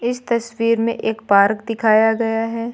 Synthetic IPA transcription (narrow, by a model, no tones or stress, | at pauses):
ɪst̪ɐswiːɾmḛ̃ʔeːkpaːɾkd̪ɪkʰaːjaɡɐjaɦɛː